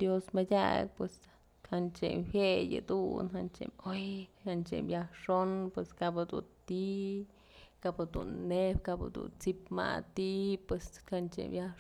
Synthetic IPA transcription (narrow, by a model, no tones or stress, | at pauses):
d̪josmadʲa̰k̚pwes | hant͡ʃemwjejɨ̰d̪unɦant͡ʃḛmojhant͡ʃḛmjahʂonpweskapɨd̪ṵnt̪i | kapɨd̪ṵnːepkapɨ̰d̪ṵnt͡sipma̰t̪ipwesant͡ʃḛmja